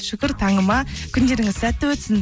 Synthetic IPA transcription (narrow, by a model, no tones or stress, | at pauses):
ʃʏkʲɪɾt̪ʰɑɴəmɑkʲʰʏnd̪e̞ɾɪŋɪz̥sæt̪ːɪwɵt̪sɪn